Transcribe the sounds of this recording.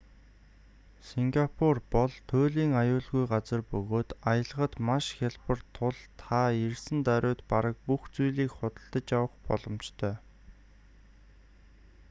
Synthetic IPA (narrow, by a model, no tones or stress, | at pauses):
siŋɡapʰurpɔɮt̪ʰoːɮiːŋajʊːɮɣujɢat͡sə̆rpɵɣoːt̪ajə̆ɮəʁə̆t̪maʃxʲaɮpə̆rt̪ʰʊɮt̪ʰairsɘ̆nt̪æɾʲʊːt̪paɾə̆k̚puxt͡sujɮiːkχʊt̪ə̆ɬt̪ə̆t͡ɕjawə̆χpɔ̰ɮɞ̆mt͡ɕt̪ʰœː